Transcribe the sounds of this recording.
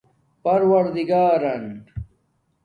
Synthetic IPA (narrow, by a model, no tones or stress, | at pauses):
pɐɾwɐɾd̪iɡaːɾɐn